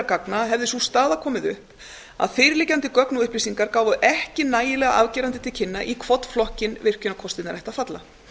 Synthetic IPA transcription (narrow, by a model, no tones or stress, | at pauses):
ɾkaknaɦɛvðɪsust̪aːðakʰɔːmɪðʏhp | a̰ðfɪːɾɪlɪːcant̪ɪkœknuʏhplisiŋkaɾkaːwvʏʔɛhcɪnaːjɪlɛːɣa̰ʔa̰vcɛːɾant̪ɪt̪ʰɪl̥cʰɪnːaʔikʰvɔt̪flɔhcɪnvɪr̥cʏnakʰɔst̪ɪt̪naɾɛjht̪afat̪la̰